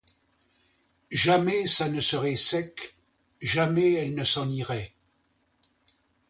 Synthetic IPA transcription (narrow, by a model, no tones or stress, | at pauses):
ʒamɛsanəsəʁɛsɛk | ʒamɛɛlnəsɑ̃niʁɛ